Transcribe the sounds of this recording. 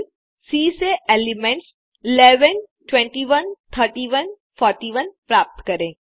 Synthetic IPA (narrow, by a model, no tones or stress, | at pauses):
siːseelimẽɳʈs | ɪleːʋən | ʈʋẽɳʈiʋənt̪ʰəɾʈiːʋən | fʰɔːɾʈiːʋənpɾaːp̚t̪kəɾẽː